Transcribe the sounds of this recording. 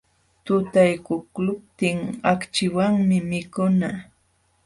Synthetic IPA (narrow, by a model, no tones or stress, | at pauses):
t̪ʊt̪ajkʊklʊp̚t̪ɪŋakt͡ʃɪwaŋmɪmɪkʊna